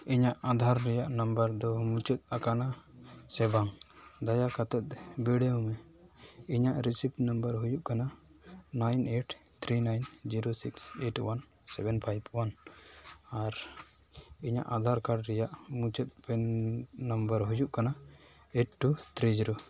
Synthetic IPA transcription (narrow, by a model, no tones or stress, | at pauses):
iɲaʔad̪ʱaɾːɛjaʔnəmbəɾd̪ɔmut͡ʃɔt̪̚akanasɛbaŋd̪ajakat̪ɛt̪̚biɽeũmɛ | iɲaʔɾisipnəmbəɾɦujuʔkananajneʈt̪ʰɾinajnd͡ʒiɾosikseʈwan | sɛbɛnpʰajbwan | aɾ | iɲa̰ʔad̪ʱaɾkaɾɖɾɛjaʔmut͡ʃət̪̚pɛnːəmbəɾɦujuʔkana | eʈʈːut̪ʰɾid͡ʒiɾo